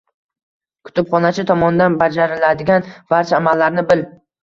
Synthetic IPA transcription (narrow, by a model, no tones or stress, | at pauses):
kʰʊ̥t̪ʰʊpχɒnat͡ʃʰɪt̪ʰɒmɒnd̪anbad͡ʒaɾɪlad̪ɪɡʲanvaɾt͡ʃamalːaɾnɪbɪl